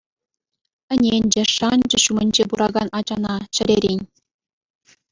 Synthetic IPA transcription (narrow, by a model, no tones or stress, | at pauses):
ɘ̆nʲenʲd͡ʑɘ̆ʂɑnʲd͡ʑɘ̆ɕumʲɘ̆nʲd͡ʑepuɾɑɡɑnʔɑd͡ʑɑnɑt͡ɕɘ̆ɾʲeɾʲenʲ